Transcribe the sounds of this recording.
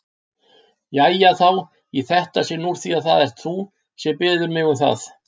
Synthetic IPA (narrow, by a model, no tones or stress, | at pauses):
jɛajaθaw | iθɛht̪asɛmnuɾ̥θiːaθaðɛr̥t̪θu | sjɛmpɪːðʏɾmɪɣʏmθa̰θ